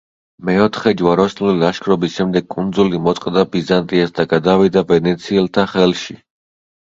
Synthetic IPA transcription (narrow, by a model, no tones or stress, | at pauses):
mɛɔt̪ʰχɛd͡ʒwaɾɔsnluliaʃkʰɾɔbisʃɛmd̪ɛɡ̚kʼund̪zulimɔt̪sʼqʼd̪abizant̪ʼiasd̪aɡad̪avid̪avɛnɛt̪sʰiɛlt̪ʰaχɛlʃi